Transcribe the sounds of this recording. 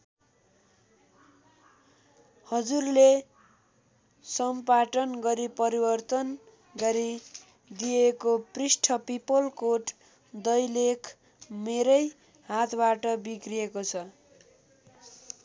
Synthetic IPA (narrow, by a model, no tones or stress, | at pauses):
hʌd͡zurle | sʌmpaʈʌnɡʌɾipʌɾibʌrt̪ʌn | ɡʌɾi | d̪ijekoprisʈʰʌpipʌlkoʈ | d̪ʌjlekʰ | meɾʌj | hat̪ʰbaʈʌbikrijekot͡sʰʌ